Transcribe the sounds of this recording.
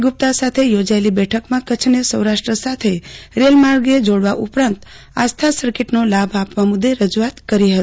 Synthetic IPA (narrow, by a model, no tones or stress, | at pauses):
ɡʊp̚t̪asat̪ʰejod͡ʒaelibɛʈʰəkmãkət͡ʃʰnesəwɾaʃʈɾəsat̪ʰeɾelmaɾɡed͡ʒoɽʋaʔʊpɾãnt̪ | ast̪ʰasəɾkeʈnolabʱapʋamʊd̪ːeɾəd͡ʒuat̪kəɾiɦət̪i